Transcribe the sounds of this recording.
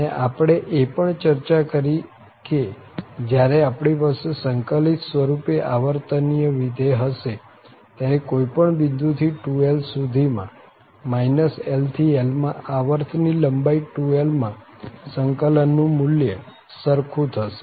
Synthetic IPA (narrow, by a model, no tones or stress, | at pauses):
əəneʔapɽ̃eʔepəɳt͡ʃəɾt͡ʃakəɾi | ked͡ʒjaɾeapɽ̃ipasesəŋkəlit̪sʋəɾupeʔaʋəɾt̪ənijəʋid̪ʱeɦəʃe | t̪jaɾekoipəɳbind̪ʱut̪ʰiʈuelsud̪ʱimã̰ | mainəselt̪ʰielmãaʋəɾt̪ʰniləmbaiʈuelmã | səŋkələnːũmʊljə | səɾkʰũt̪ʰəʃe̥